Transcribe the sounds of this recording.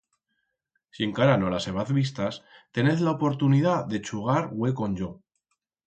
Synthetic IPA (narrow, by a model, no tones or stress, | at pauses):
sie̞ŋkaɾano̞lase̞β̞aθβist̪ast̪e̞neθlaopo̞ɾt̪uniðaðe̞t͡ʃuɣ̞aɾwe̞ko̞ɲʝo